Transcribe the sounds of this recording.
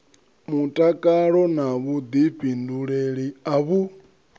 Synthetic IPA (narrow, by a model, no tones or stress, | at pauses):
mutʼakʼaɺɔnaβud̪iɸinduɺeɺiaβu